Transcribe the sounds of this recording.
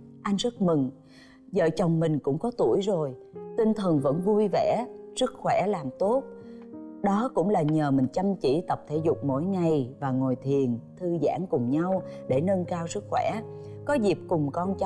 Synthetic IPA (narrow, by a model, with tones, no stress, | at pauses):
ʔa˧jŋ̟zə˦˥t̚mɨ˨˩ŋ | zə̰ː˧˨t͡ɕə˨˩wŋ͡mmï˨˩ŋ̟kʊ̰˧˥ŋ͡mkɔ˨˦t̪u˧˩əjzo˨˩jt̪ï˧ŋ̟t̪ʰə˨˩nvə̰˧˥nvu˧jvɛ̰˧˥sɨ˦˥t̚xwɛ̰˧˥laː˨˩mt̪o˦˥t̚ | ɗɔ˨˦kʊ̰˧˥ŋ͡mlaː˨˩ɲəː˨˩mï˨˩ŋ̟t͡ɕə˧mt͡ɕḭ˧˩˥t̪ə˨˩p̚t̪ʰe˧˥zʊ˨˩k͡p̚mo̰˧˥jŋa˨˩jvaː˨˩ŋo˨˩jt̪ʰi˨˩ənt̪ʰɨ˧za̰ː˧˥ŋkʊ˨˩ŋ͡mɲa˧wɗe˧˩nə˧nkaː˧wsɨ˦˥t̚xwɛ̰˧˥kɔ˨˦zi˨˩əp̚kʊ˨˩ŋ͡mkɔ˧nt͡ɕ